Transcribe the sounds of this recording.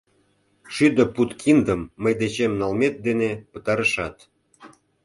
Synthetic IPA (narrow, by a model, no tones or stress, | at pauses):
ʃyd̪ə̆put̪kʰind̪əmːəjd̪et͡ɕemnɑlmet̪̚d̪enepə̥̆t̪ɑɾə̆ʃɑt̪